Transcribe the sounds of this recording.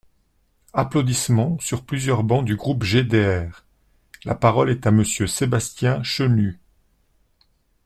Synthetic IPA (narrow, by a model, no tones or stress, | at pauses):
aplod̪ismɑ̃syʁplyzjœʁbɑ̃d̪yɡʁupʒed̪eɛːʁ | la̰paʁɔlɛt̪aməsjøsebast̪jɛ̃ʃəny